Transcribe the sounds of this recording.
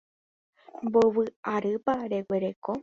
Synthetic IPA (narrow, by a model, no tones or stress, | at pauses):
mboβɨaɾɨpaɾe̞we̞ɾe̞ko